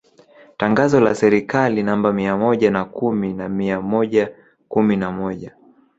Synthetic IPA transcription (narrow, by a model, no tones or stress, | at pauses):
taŋɡazɔla̰sɛɾikalinambamiamɔʄanakuminamiamɔʄa | kuminamɔʄa